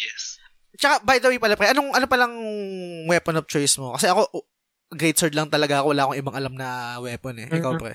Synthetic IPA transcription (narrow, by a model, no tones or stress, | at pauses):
jɛs | t͡ʃɐkabɐjd̪ɐwejpɐlapɾɛʔɐnoŋʔɐnopɐlɐŋ | wɛːponop̚t͡ʃojsmokɐsɛʔɐko̞ | ɡɾejt̪sɛɹd̪lɐŋt̪ɐlɐɡaʔɐkowɐlaːɐkoŋʔɪbaŋɐlamnɐwɛːponɛʔɪkawpɾɛ̰